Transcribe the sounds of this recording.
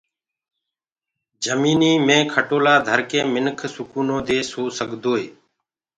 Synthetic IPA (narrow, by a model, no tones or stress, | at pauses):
d͡ʒəmiːniːmẽːkʰəʈoːlaːd̪ʱəɾkẽːmɪnkʰsʊkuːnõːd̪eːsoːsəɠd̪oːeː